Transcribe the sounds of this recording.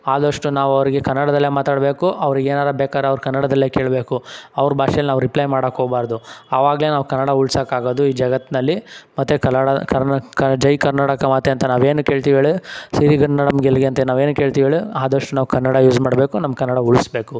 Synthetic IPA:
aːd̪ɐʂʈunaːʋɐʋɐɾiɡekɐnːɐɽɐd̪ɐlːemaːt̪aːɽbe̞ːkuʔɐʋɾiɡeːnaːɾɐbeːkaːɾeɐʋɾkɐnːɐɽɐd̪ɐlːeːke̞ːɭbe̞ːkuɐʋɾubʱaːʃɛɐlinaːʋuɾiplɐjmaːɽɐkoːbaːɾd̪uɐʋaːɡɐle̞ːnaːʋukɐnːɐɽauɭsɐkaːɡoːd̪uiːd͡ʒɐɡɐt̪ːnɐlːimɐt̪ːekɐɽɐkɐkɐd͡ʒɐjkɐɾnaːʈɐkɐmɐt̪eɐnt̪ɐnaːʋe̞ːnuke̞ːɭt̪iʋeɭisiɾiɡɐnːɐɽɐmɡelɡeɐnt̪ɐnaːʋeːnuke̞ːɭt̪iʋeːɭiaːd̪ɐʂʈunaːʋukɐnːɐɽajuːd͡ʒmaːɽbeːkunɐmːɐkɐnːɐɽauɭisbe̞ːku

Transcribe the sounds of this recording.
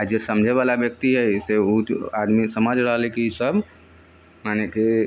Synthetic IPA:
ad͡ʒesəmd͡ʒʱeβalabjək̚t̪iɦɛseuad̪misəmad͡ʒʱɾəɦlɛkeisəb | maneke

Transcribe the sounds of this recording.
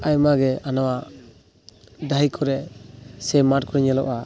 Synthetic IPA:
ajmaɡɛanawa | d̪ajkʰɔɾɛsɛmat̚kʰɔɾiɲalɔʔa

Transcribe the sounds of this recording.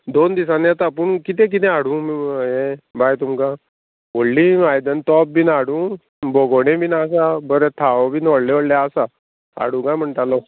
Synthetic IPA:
d̪ond̪isaneat̪apuɳkit̪ɛ̃k̬it̪̬ɛ̃aɽũːmiɦẽbajt̪umka | ʋoɽlĩʋajd̪ənt̪ɔp̚binaɽũː | boɡoɽ̃ẽbiːnasabəɾɛt̪ʰaʋbinoɽlẽoɽljaəsa | a̰ɽũkãjm̤əɳʈalɔ

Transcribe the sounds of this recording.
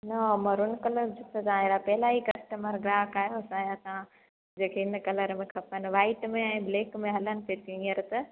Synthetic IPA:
nɐmɐɾʊnkɐləɾd͡ʑʊk̪ʰət̪ãɦeːɾapɐɦɪlaikɐsʈəməɾɡɾaːkaːɦijoɐsãjasã | d͡ʑeːkʰeɪnkɐləɾmẽkʰɐpənɪʋaːɪʈmẽɛ̃ːbleːkmẽɦɐlənɪ̆peːtiĩəɾt̪ɐ

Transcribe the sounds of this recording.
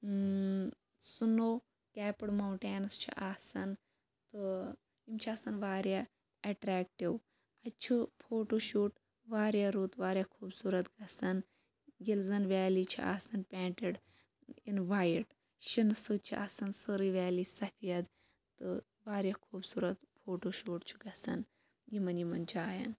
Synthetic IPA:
sunoː | kɛːpɨɽmɐwɳʈeːnɐst͡ʃʰḭʔaːsɐn | t̪ɨ | imt͡ʃʰiɐsɐnʋaːɾja | ɛʈɾɛːk̚ʈiʋ | ɐt͡ʃʰupʰoːʈoːʃuːʈ | ʋaːɾjaːɾuːt̪ʋaːɾʲjakʰuːbsuːɾɐt̪ɡɐsɐn | ɡilzɐnʋɛːlit͡ʃʰḭʔa̰ːsɐnpʲaːɳʈiɖ | inʋaːjiʈ | ʃinsɨt͡ʃʰḭʔa̰ːsɐnsɨɾiʋaːlisɐfʰijɐd̪ | t̪ɨ | ʋaːɾjakʰuːbsuːɾɐt̪pʰoːʈoːʃuːʈt͡ʃʰu̥ɡɐsɐ̰n | jimɐnjimɐnd͡ʒaːjɐ̰n

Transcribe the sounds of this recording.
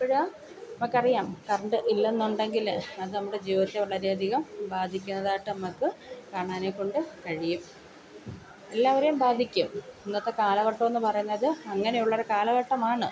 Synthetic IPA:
pɐɻaː | nɐmɐkːɐrijaːmkɐrɐɳɖɨʔilːenːuɳɖe̞ŋɡilɐðɨnɐmːuɽe̞d͡ʑiːʋɐðɐt̪ːeʋɐɭɐɾeɐd̪ʱiɣɐmbaːd̪ʱikʲːunːɐðaːjʈːɨnɐmɐkːɨkaːɳaːnekːo̞ɳɖɨkɐɻijum | e̞lːaːʋɐɾejumbaːd̪ʱikʲːumenːɐt̪ːekaːlɐɣɐʈːɐme̞nːɨpɐrɐjunːɐðɨɐŋːɐnejuɭːɐɾekaːlɐɣɐʈːɐmaːɳɨ

